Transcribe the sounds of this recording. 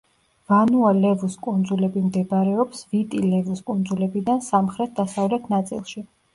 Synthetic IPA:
vanualɛvuskʼund̪zulɛbimd̪ɛbaɾɛɔpsvit̪ʼilɛvuskʼund̪zulɛbid̪ansamχɾɛt̪̚ʰd̪asavlɛt̪ʰnat̪sʼḭlˠʃi

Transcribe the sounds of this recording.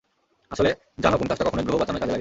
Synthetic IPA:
aʃole | d͡ʑanokunkaʃʈakɔkʰonoɡɾoɦobat͡ɕanoɾkad͡ʑelaɡ

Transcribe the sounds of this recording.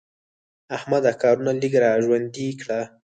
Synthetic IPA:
ahmad̪akɑɾunalikɾaʒwand̪ikɽa

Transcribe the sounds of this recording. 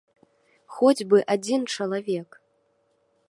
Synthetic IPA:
xɔd͡zʲbɨʔad͡zʲint͡ʂɐlˠavʲɛk

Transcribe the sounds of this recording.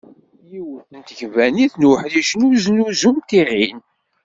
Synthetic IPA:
jiwəθənt̪əʝvæniθnuħðiʃnuznuzumt̪iʁin

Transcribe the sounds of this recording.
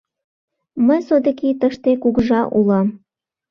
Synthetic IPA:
məjsod̪ə̆kit̪əʃt̪ekuɣʒɑʔulɑm

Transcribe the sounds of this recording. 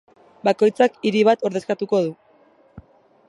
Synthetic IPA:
bako̞jt͡sakiɾiβ̞at̪o̞ɾð̞e̞skat̪uko̞ð̞u

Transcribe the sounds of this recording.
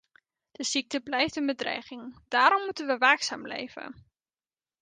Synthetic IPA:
d̥əz̥ik̚təblɛjftənbədrɛ̰jχɪŋd̥aːɾɔmːutənʋəʋaːksa̰ːmlḛjvə̰

